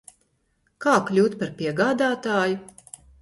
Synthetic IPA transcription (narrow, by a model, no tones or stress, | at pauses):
kaːklʲuːt̪paɾpʲiɛɡaːd̪aːt̪aːju